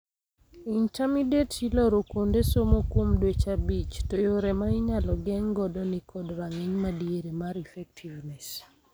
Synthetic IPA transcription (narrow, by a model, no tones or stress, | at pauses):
intamidetilɔɾokondesomokwomdwet͡ʃabit͡ʃtojoɾɛmaiɲalɔɡɛŋɡɔdɔnikʰɔdɾaŋeɲmadieɾemaɾifɛk̚tʰivnɛs